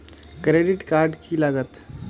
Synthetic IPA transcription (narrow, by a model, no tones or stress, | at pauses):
kɾeːɖɪʈkaːɾɖkiləɡət̪